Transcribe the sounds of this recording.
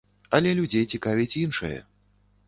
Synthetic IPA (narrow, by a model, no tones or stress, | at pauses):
ɐlʲɛlʲud͡zʲejt͡sʲikavʲit͡sʲinʂɨ̰jɐ̰